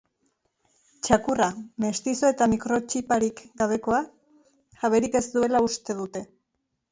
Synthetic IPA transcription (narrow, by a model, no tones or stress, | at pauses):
t͡ʃakurame̞st̪iso̞e̞t̪amikɾo̞t͡ʃipaɾikɡaβ̞e̞ko̞a | ʝaβe̞ɾike̞zd̪ue̞laust̪e̞ðut̪e̞